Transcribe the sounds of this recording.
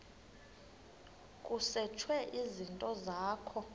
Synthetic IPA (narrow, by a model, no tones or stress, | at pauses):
kʼusɛt͡ʃʰwɛʔizintʼɔzaːkʰɔ